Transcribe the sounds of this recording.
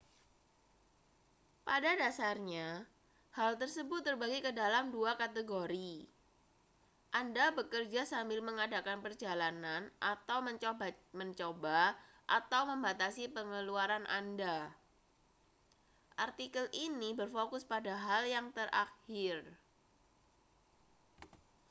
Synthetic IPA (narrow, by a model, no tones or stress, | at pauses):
padadasarɲa | halt̪ərsəbʊt̪̚ːərbaɡikədalamduakat̪əɡoɾi | ʔandabəkərd͡ʒasambɪlməŋadakanpərd͡ʒalananʔat̪awməɲməɲt͡ʃoba | ʔat̪awməmbat̪asipəŋəluaɾanʔa̰nda | ʔart̪ikəlʔinibərfokʊspadaɦaljaŋt̪ərʔa̰xɪr